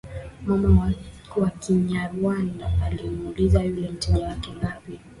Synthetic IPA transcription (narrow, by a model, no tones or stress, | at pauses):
mama | wakiɲaɾuanda̰alimulizajulɛm̩tɛʄawakɛŋɡapi